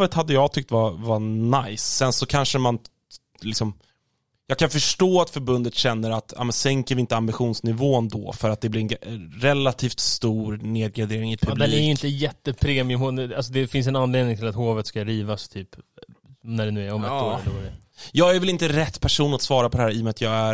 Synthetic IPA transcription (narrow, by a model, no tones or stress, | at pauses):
vət̪had̪ːəjɑːɡt̪ʰʏk̚t̪vavanajsːɛnsɔkʰanʂəman | lɪksɔm | jɑːɡkʰanfœʂʈoːat̪fœɾbɵnd̪ət̪ɕɛnːəɾat̪a̰ːmɛnsɛŋkəɾvɪɪnt̪əambɪɧuːnsnɪvoːnd̪ɔ̰ːfœɾat̪̚d̪ɛblɪɾɛnɾɛlːat̪ʰiːft̪st̪uːɾneːd̪̚ɡɾad̪eːɾɪŋɪpʰɵb̪d̪ɛiːɛɾjɪnt̪əjɛt̪ːəpʰɾeːmɪɵmʊals̬ɔd̪ɛfɪns̬ɛnanleːd̪nɪŋt̪ʰɪlat̪hoːvət̪skaɾiːvast̪ʰyːp | næɖɛnʉ̟ːæɾɔmɛtːɾlɾɛ | jɑːɡæɾvɛlɪnt̪əɾɛt̪ːpʰæʂuːnat̪svɑːɾapʰɔd̪ɛhæːɾɪmɛat̪jɑːɡæɾ